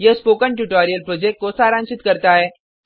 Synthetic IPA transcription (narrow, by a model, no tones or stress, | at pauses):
jəspokəɳʈuʈɔɾijəlpɾod͡ʑek̚ʈ̚kosaːɾãnsit̪kəɾt̪aɦɛː